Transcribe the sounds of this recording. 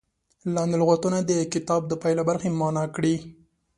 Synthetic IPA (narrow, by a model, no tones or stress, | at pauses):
lɑnd̪ɪlɣat̪unad̪əkɪt̪ɑb̚d̪əpɑjlabaɾxemɑnɑkɽi